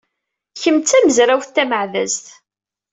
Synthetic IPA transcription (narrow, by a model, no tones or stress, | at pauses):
çəmt͡sːæməzɾæwθt̪ːæməʕðæzt̪